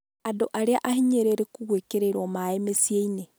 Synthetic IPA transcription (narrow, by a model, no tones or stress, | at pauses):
adoʔaɾeaʔahiɲeɾeɾekuɣwekeɾeɾomaemesieine